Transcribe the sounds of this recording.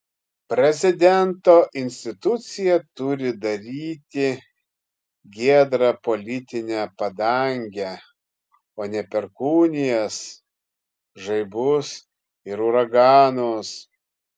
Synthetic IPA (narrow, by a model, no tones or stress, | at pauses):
pʲɾʲɛzʲɪd̪ʲɛnt̪oːʔɪnʲsʲt̪ʲɪt̪ʊt̪sʲɪjɛt̪ʊɾʲɪd̪ɐɾʲiːt̪ʲɪ | ɡʲiɛd̪ɾɐpolʲɪt̪ʲɪnʲæpɐd̪ɐˑŋʲɡʲɛ | oːnʲɛpʲɛɾkuːnʲɪjɛs | ʒɐɪbʊs | ɪɾʊɾɐɡɑːnos